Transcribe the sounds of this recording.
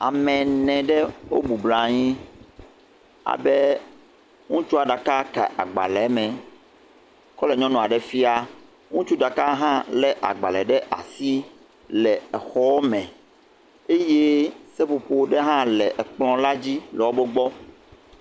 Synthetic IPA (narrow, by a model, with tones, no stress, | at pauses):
a̰˨mɛ̃˨nɛ̃˨ɖɛ˦wo˦bu˨bla˨ɲĩ˦ | a̰˨bɛ˦ | ŋũ˦t͡ʃu˦a˨ɖa˨ka˦kɛ̰˨ʔa̰˨ɡ͡ba̰˨lɛ˨˦mɛ̃˨ | kɔ˦lɛ˨ɲɔ̃˦nɔ̃˨a˨ɖɛ˨fi˦a˦ | ŋũ˦t͡ʃu˦ɖa˨ka˦ɦã˦lɛ˨ʔa̰˨ɡ͡ba˨lɛ˨ɖɛ˦ʔa̰˨si˦ | lɛ˨ɛ˨xɔ˦mɛ̃˨ | e˦je˦se˦po˨po˦ɖe˦ɦã˦lɛ˨ʔɛ˨k͡plɔ̃˦la˦d͡ʑi˦lɛ˨wo˦bo˦ɡ͡bɔ˦